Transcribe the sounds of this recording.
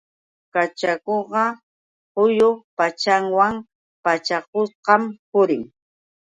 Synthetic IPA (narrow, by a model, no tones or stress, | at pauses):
kat͡ʃakoɢɑ | hʊjopat͡ʃaŋwaŋ | pat͡ʃak̚osqɑmpʊɾɪŋ